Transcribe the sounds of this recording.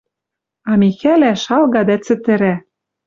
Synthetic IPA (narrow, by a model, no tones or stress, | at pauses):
ɑmixælæʃɑlɣɑd̪æt͡sɘ̆t̪ɘ̆ɾæ